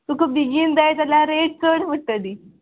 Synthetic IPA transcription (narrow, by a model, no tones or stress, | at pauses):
t̪ukubiɡiːnd̪ajt̪alaɾeʈ̚t͡səɽʋəʈːəd̪i